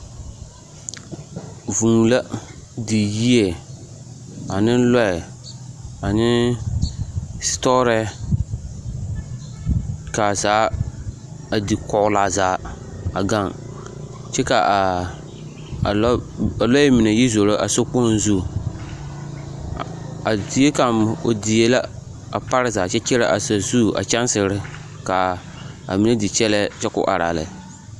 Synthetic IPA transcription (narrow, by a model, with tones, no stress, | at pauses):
vu˨ŋ˨la˦di˨ji˦ɛ˨ | a˨nɪ˦n˦lɔ˦ɪ˨ | a˨nɪ˦ | stɔ˦ɾɛ˦ | ka˨zaː˨˦ | a˨dɪ˨kɔ˨ʔʊ˦la˨zaː˨˦ | a̰˨ɡa˦˨ŋ | t͡ʃɛ˦ka˨˦ | a˨lɔ˦mɪ˨ne˨ji˦zo˨ɾo˦ʔa˨so˦k͡po˦n˦zu˦˨ | a˨di˨e˦ka˨mo˨dɪ˨e˦la˦ | a˨pa˦ɾɪ˦zaː˨t͡ʃɛ˦t͡ʃɛ˦la˦ʔa˨sa˨zu˦˨a̰˨t͡ʃa˦nsɪ˨ɾɪ˦ | ka˨ | a̰˨mɪ˨nɛ˦dɪ˨t͡ʃɛ˦lɛ˦t͡ʃɛ˦kʊ̰˦ʔa̰˨ɾa̰˨la̰˨